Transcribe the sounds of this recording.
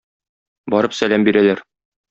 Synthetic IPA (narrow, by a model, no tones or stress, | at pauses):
bɒɾɤpsælæmbiɾælæɾ